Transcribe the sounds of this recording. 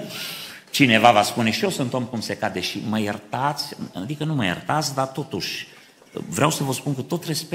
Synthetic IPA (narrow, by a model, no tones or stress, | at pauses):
t͡ʃine̞vavaspune̞ʃiosunt̪omkumsekad̪e̞ʃiməjert̪at̪sʲa̰d̪ikənuməjḛrt̪at̪sʲd̪at̪o̞t̪uʃʲ | vɾeawsəvəspunkut̪o̞t̪re̞spe